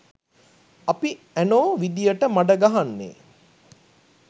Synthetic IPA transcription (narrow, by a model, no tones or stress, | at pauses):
api | ænoːʋid̪ijəʈəmaɖəɡaɦanːḛː